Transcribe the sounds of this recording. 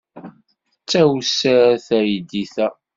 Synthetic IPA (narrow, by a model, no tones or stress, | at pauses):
ət͡sːæwsæɾæθæjəd̪iθæ